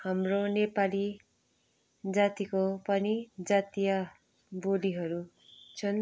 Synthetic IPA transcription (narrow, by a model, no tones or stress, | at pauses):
hamronepali | d͡zat̪ikopʌnid͡zat̪ija | boliɦʌɾu | t͡sʰʌn